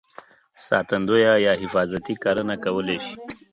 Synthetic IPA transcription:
sɑ̰ːt̪and̪ojajɑɦɪfɑːzat̪ikaɾənakawəleʃi̥

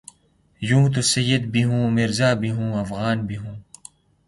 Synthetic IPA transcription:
jũːt̪̬usɐjːɪd̪biɦũːmɪɾzaːbiɦũːɐfɣaːnbiɦũː

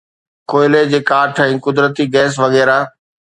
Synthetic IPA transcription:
koːɪled͡ʑeːkaːʈʰɛ̃ĩːkʊd̪ɾət̪iɡɛːs̬ʋɐɣɛːɾa

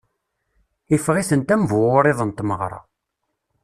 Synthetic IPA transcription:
ifʁisənt̪æmvwʊɾˤeðˤənt̪məʁɾˤɑ̰

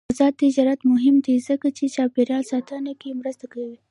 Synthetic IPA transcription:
zɑːt̪ːɪd͡ʒɑɾat̪mʊɦɪmd̪izəkat͡ʃet͡ʃɑpeɾjɑlsɑt̪ʰɑnikemɾəst̪akəwi

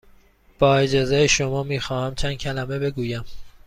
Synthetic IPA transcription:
b̥ɒːed͡ʒɒːzejeʃomɒːmiːxɒːhæmt͡ʃʰænd̪cʰælæmebe̞ɡuːjæm

